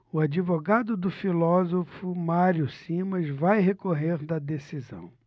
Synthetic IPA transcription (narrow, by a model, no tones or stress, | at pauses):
ʊad͡ʒivoɡad̪ʊd̪ʊfilɔzofʊmaɾjʊsĩmɐzvajɦekoɦeɾd̪ɐd̪esizɐ̰̃w̃